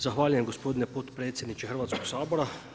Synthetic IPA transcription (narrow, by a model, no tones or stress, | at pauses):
zaxʋaːʎujemɡospod̪inepot̪pɾeːt̪sjed̪nit͡ʃexrɾʋat̪koɡsaːboɾa